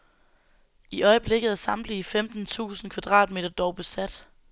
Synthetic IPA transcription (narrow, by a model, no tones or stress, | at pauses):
iʔɒ̽ɪəb̥le̝ɡ̥ð̩ˠæɐsɑ̈m̥liːfemd̥n̩t͡sʰṵːsn̩kʰʋæd̥ʁɑ̰̈ːd̥me̝̰ːdɐd̥ɒʊb̥e̝sæd̥